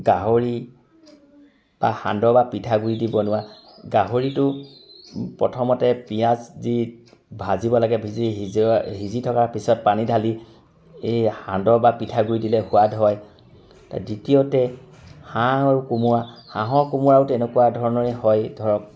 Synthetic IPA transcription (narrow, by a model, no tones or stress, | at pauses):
ɡaɦoɹi | b̥ahã̰ndɔbapitʰaɡuɹidibɔnʊwa | ɡaɦoɹitʊ | pɹɔ̰tʰɔmɔtɛpijaszi | bʱazibɔlaɡɛbʱiziɦiɦizitʰɔkaɹpisɔt̚panidʱali | ehandɔbapitʰaɡuɹidilɛhʊwadʱɦɔj | ta̰ditijotɛ | hãaɹukumʊɹahãɦɔkumuɹaʊtɛnɛkuwadʱɔɹɔnɔɹɛhɔjdʱɔɹɔk̚